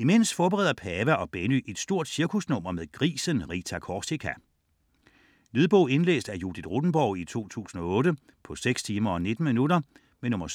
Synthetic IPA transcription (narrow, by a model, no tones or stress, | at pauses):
ime̝n̰sfɒːb̥eʁɛ̰ːðˠɐpʰɛʋæʔɒ̽b̥enyʔe̝d̥sd̥o̝ɐ̰d̥siɐkʰusnɔ̽m̰ɐmeðˠɡ̥ʁḭːsənʁḭt͡sʰækʰɒːsikʰæ | neðˠb̥ɔʊe̝nlḛːsd̥æɐjud̥id̥ʁod̥n̩b̥ɒʊ̰it͡sʰo̝̰ːt͡sʰṵːsn̩ɒ̽ɔ̽ːɾə | pʰɒ̽seɡ̥st͡sʰiːmɐɒ̽ne̝d̥n̩minuɾɐ | menɔ̽mɐ